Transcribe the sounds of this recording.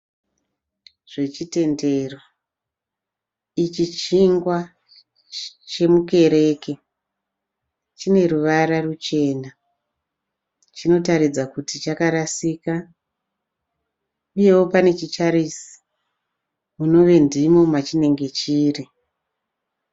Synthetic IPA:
ʐ̥e̞t͡ʃite̞nde̞ro | it͡ʃit͡ʃiŋɡwa | t͡ʃe̞muke̞ɾe̞ːke̞ | t͡ʃine̞ruʋaɾarut͡ʃe̞ːna | t͡ʃino̞taɾid͡zakutit͡ʃakaɾasiːka | uje̞wo̞pane̞t͡ʃit͡ʃaɾisi̥ | muno̞ʋe̞ndimo̞mat͡ʃine̞ŋɡe̞t͡ʃiːri

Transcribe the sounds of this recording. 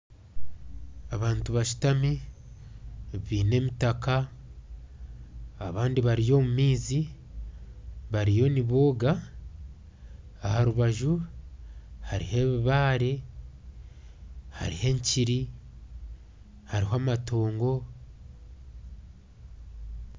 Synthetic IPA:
aβaːntuβaʃu̥tami | βiːne̞mitaka | βaːndiβaɾijo̞mumiːzi | βaɾijo̞niβoːɡa | haɾuβaʒu | haɾḭhe̞βiβaːɾe | ha̰ɾihe̞ɲciɾi | haɾiɦaːmatʰo̞ːŋɡo̞

